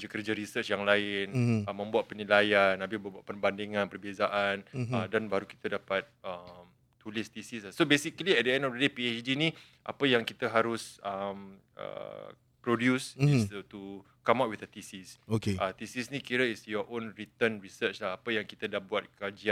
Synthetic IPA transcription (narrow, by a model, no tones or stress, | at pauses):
d͡ʒakərd͡ʒaɾisət͡ʃjaŋlaɪnəmə̃mbuat̪̚pənilajanabɪbəbuat̪̚pərbandiŋãnpərbezaʔanədanbaɾuki̥t̪adapat̪̚əmː | ulɪst̪isisasobesikəliɛdiɛnɔfədepiet͡ʃdinĩ | ʔa̰pəjaŋkit̪əɦaɾʊsəm | ə̰ | pɾodjusist̪u | kamat̪̚wiθət̪isisokeat̪isisnĩkiɾəisjɔʔõnɹit̪ənɹisət͡ʃlahapəjaŋkit̪adahbuat̪̚kad͡ʒian